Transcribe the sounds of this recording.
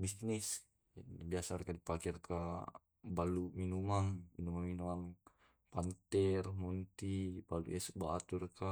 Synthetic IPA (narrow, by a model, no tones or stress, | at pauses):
bisnis | biasaɾkadipakirka | baluminumaŋminumaŋminumaŋ | pant̪ɛrmunt̪ibalṵʔɛsubat̪urka